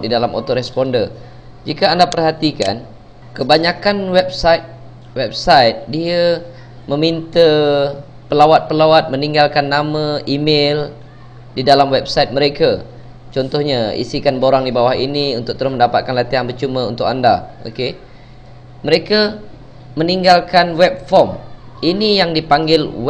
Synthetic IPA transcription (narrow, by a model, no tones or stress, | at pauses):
didalamo̰t̪oɾɛspɔndə | d͡ʒikaandapərhat̪ika̰n | kəbaɲakanwɛb̚sait̪̚ | wɛb̚sajt̪̚diə | mə̃mint̪ə | pəlawat̪̚pəlawat̪̚mə̃niŋɡalkanːamãʔimel | didalamwɛb̚sajt̪̚mə̃ɾeka | t͡ʃɔnt̪ɔhɲaḭsikanboɾaŋdibawahiniunt̪ʊk̚t̪əɾʊsmə̃ndapat̪̚kanlat̪iɦanbərt͡ʃumə̃ṵnt̪ʊkandao̰ke | mə̃ɾeka | mə̃niŋɡalkanwɛp̚fɔm | inijaŋdipaŋɡɪlw